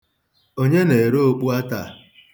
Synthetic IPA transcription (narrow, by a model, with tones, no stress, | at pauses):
o˦ɲe˦ne˨ɾo˦o˦˨k͡pu˦a˦ta˨